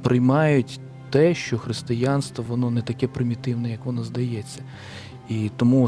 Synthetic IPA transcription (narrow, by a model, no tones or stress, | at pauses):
pɾɪjmɑjʊtʲ | t̪ɛʃt͡ʃɔxɾɪst̪ɪjɑnst̪ʋɔʋɔnɔnɛt̪ɐkɛpɾɪmʲit̪ɪwnɛjɐkʋɔnɔzd̪ɐjɛt͡sʲːɐ | it̪ɔmu